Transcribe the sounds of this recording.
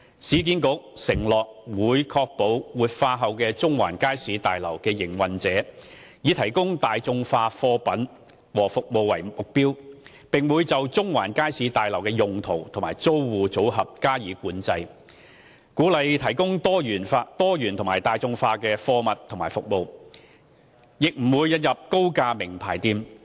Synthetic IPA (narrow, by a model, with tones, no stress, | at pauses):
siː˨˧˥k̬iː˨˥nkʊ˨˥k̚sɪ˨˩ŋlɔː˨k̚wuː˨˧jkʰɔː˧k̚po˨˧˥wwuː˨t̚faː˧ɦɐ˨wkɛː˧t͡sʊ˥ŋwa̰ː˨˩nkaː˥jsiː˨˧˥t̪aː˨jlɐ˨˩wkɛː˧jɪ˨˩ŋwɐ˨nt͡sɛː˨˥ | jiː˨˧t̪ʰɐ˨˩jkʊ˥ŋt̪aː˨jt͡sʊ˧ŋfaː˧fɔː˧pɐ˨˥n | wɔː˨˩fʊ˨k̚mo˨wːɐ˨˩jmʊ˨k̚piː˥w | pɪ˨ŋwuː˨˧jt͡sɐ˨wt͡sʊ˥ŋwaː˨˩nkaː˥jsiː˨˧˥t̪aː˨jlɐ˨˩wkɛː˧jʊ˨ŋt̪ʰo˨˩wt̪ʰʊ˨˩maː˨˩jt͡so˥wwuː˨˧t͡so˨˥wɦɐ˨p̚kaː˥jiː˨˥kuː˨˥nt͡sɐ˧j | kuː˨˥lɐ˨jt̪ʰɐ˨˩jkʊ˥ŋt̪ɔː˥jyː˨˩nfa˧t̪ɔː˥jyː˨˩nt̪ʰʊ˨˩ŋmaː˨˩jt̪aː˨˧jt͡sʊ˧ŋfaː˧kɛː˧fɔː˧mɐ˨t̪ʰʊ˨˩maː˨˩fʊ˨k̚mo˨˧w | jɪ˨k̚m̩˨˩wuː˨˧jːɐ˧t̚jɐ˨p̚ko˥wkaː˧mɪ˨˩ŋpʰaː˨˩jt̪iː˧m